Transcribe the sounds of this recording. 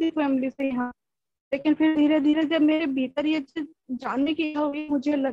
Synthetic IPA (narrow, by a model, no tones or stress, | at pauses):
ifɛːmliseɐɦãː | leːkɪnfʰɪɾd̪ʱiːɾed̪ʱiːɾed͡ʒɐbmeːɾebʱiːt̪əɾjet͡ʃi | d͡ʒaːnːekiaʊimʊd͡ʒʱelɐ